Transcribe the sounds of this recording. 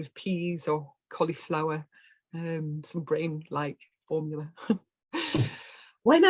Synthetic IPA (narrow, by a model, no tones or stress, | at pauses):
ɪv̥pʰiːz̥əkʰɒliflaʊə | ə̃msə̃mbɹẽɪ̃nlaɪkfɔːmjlˠə | wɛna